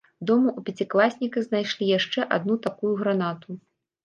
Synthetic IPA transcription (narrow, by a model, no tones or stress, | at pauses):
d̪ɔmuʔupʲɐt͡sʲiklˠasʲnʲikɐznajʂlʲijaʂt͡ʂɛʔad̪nut̪akujuɣɾanat̪u